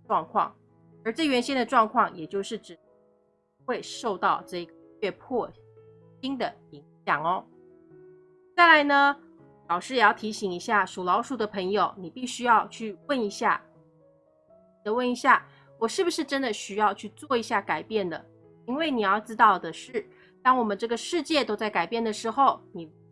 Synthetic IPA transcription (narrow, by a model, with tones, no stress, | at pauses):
wɑ˥˧ŋkʰwɑ̰˥˩ŋ | ə˞˧˥ʈ͡ʂɤ˥˩ɥɛ˧˥nɕi˥nd̪ə˨ʈ͡ʂwɑ˥˧ŋkʰwɑ˥˩ŋjɛ˨˩t͡ɕjo˥˧ʊʂɻ̩˥˩ʈ͡ʂɻ̩˨˩ | xwe˥˧ɪʂo˥˧ʊt̪ɑ˥˧ʊʈ͡ʂɤ˥˩i˧˥ɡə˧ɛ˥˧pʰɔ˥˩ | ɕi˥ŋd̪ə˨ | i˧˥ŋɕjɑ˨˩ŋɔ˦ | t͡sa˥˩ɪla˧˥ɪnə˧ | lɑ˨˩ʊʂɻ̩˥˩jɛ˨˩jɑ˥˩ʊt̪ʰi˧˥ɕi˨˩ŋi˧˥ɕja˥˩ʂu˨˩lɑ˧˥ʊʂu˨˩d̪ə˦pʰɤ˧˥ŋjo˨˧ʊni˨˩pi˥˩ɕy˥jɑ˥˧ʊt͡ɕʰy˥˧wə˥˩ni˧˥ɕja̰˥˩˨ | d̪ə˧˦wə˥˩ni˧˥ɕja˥˩ | wɔ˨˩ʂɻ̩˥˩bu˩ʂɻ̩˥˩ʈ͡ʂə˥nd̪ə˨ɕy˥jɑ˥˧ʊt͡ɕʰy˥˧t͡swɔ˥˩i˧˥ɕja˥˩ka˨˩ɪpjɛ˥˩nd̪ə̰˩ | i˥nwe˥˩ɪni˨˩jɑ˥˩ʊʈ͡ʂɻ̩˥t̪ɑ˥˩ʊd̪ə˩ʂɻ̩˥˩ | t̪ɑ˥ŋwɔ˨˩mə˨˦nʈ͡ʂɤ˥˩ɡə˩ʂɻ̩˥˧t͡ɕjɛ˥˩t̪o˥ʊt͡sa˥˩ɪka˨˩ɪpjɛ˥˩nd̪ə˩ʂɻ̩˧˥xo˥˩ʊni˨˩